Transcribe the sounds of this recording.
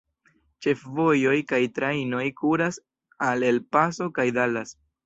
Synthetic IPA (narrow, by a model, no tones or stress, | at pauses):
t͡ʃe̞fvo̞jo̞jkajtɾajno̞jkuɾas | ale̞lpaso̞kajdalas